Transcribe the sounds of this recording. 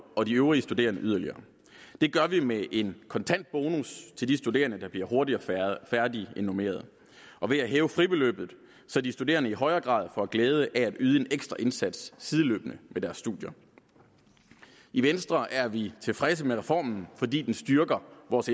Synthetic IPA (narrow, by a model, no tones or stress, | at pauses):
ɒ̽diøʊʁiəsd̥ud̥e̝̰ːɐnəʔyð̞ˠɐliɐː | d̥e̝ɡ̥ɶɐʋimeʔe̝nkʰɒ̽nt͡sʰæn̰d̥̚b̥o̝ːnust͡sʰe̝ld̥isd̥ud̥e̝̰ːɐnəd̥ɑ̈b̥liɐɦo̝ɐdiɒfæɐdie̝nome̝̰ːɐð̞̩ˠ | ʔɒ̽ʋe̝æɦɛːʊəfʁib̥e̝lø̰b̥ð̩ˠ | sɒd̥isd̥ude̝̰ːɐnəiɦɒ̽ɪɐːɡ̥ʁɑ̰̈ːðˠfɒ̽æɡ̥lɛːð̞ˠəʔææd̥yːðˠəe̝neɡ̥sd̥ʁɐʔe̝nsæd̥sːið̞ˠəlø̰ːb̥ənəmed̥æɐsːd̥uðˠjɐ | iʋensd̥ʁɐʔæɐʋit͡sʰe̝lfʁɛs̬əmeʁɛfɒ̰ːmn̩fɒ̽dḭːd̥ensd̥yɐɡ̥ɐʋɒːs